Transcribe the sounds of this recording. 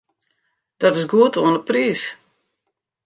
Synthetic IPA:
d̥ɔtɪsɡuətoənəpriːs

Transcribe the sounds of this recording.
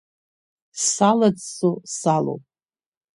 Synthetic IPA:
salad͡zsusalo̰wp̚ʼ

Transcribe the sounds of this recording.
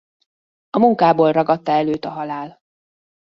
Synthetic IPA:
ɒmuŋkaːboːlrɒɡɒt̪ːɒɛløːt̪ɒɦɒlaːl

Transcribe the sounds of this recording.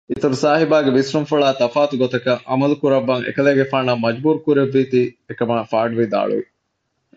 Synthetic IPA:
it̪uɾusaːɦibaːɡeʋisɾumfuɭaːt̪ɐfaːt̪uɡot̪ɐkɐʔɐmɐlukuɾɐbːɐŋḛkɐleːɡefaːnɐmɐd͡ʒbuːɾukuɾeʋːiːt̪iːekɐmaːfaːɖuʋid̪a̰ːɭṵʋi

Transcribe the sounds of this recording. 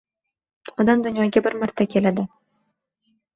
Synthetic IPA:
ɒd̪amd̪ʊnjɒɡʲabɪɾmaɾt̪ʰakʲʰe̞lad̪ɪ

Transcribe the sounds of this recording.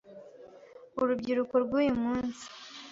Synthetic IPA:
uɾubɟiɾukoɾɡuːjemuːnzi̥

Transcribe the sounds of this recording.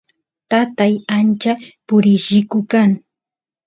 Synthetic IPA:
t̪at̪ajant͡ʃapʊɾɪʃɪkʊkaŋ

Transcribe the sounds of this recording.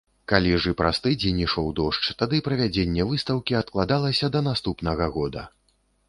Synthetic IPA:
kalʲiʐɨpɾast̪ɨd͡zʲenʲiʂɔwd̪ɔʂt͡ʂt̪ad̪ɨpɾɐvʲad͡zʲenʲːɛvɨst̪ɐwkʲiɐt̪̚klˠad̪alˠɐsʲɐd̪ɐn̪ast̪upnɐɣɐɣɔd̪ɐ̰

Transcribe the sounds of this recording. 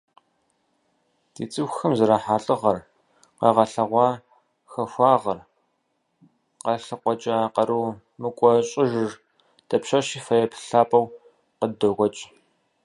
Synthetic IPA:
d̥ḭːt͡sʼɨxxɐmzɐɾaħaːɬʼɨʁɐr | qɐʁɐɬɐʁʷɑː | xɐxʷɑːʁɐr | qɐɬɐqʷɔt͡ʃʼɐqɐɾuː | mɨkʷʼɔɕʼɪʒɨr | d̥ɐpɕɐʃiːfɐjɐpʰɬaːpʼɐw | qədɐɣʷɔt͡ʃʼ

